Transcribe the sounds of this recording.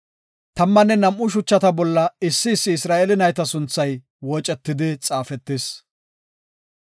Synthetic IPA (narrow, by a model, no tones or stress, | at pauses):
t̪ɐmːɐnːɛnɐmʔʊʃ̬ʊt͡ʃːɐt̪ɐbɔlːɐɪsːɪːsːɪɪsɾaːʔeɛlɪnɐjt̪ɐsʊnt͡sːɐj | wɔt͡ʃʼɛt̪ːɪd̪ɪt͡sʼaːfɛt̪ːɪs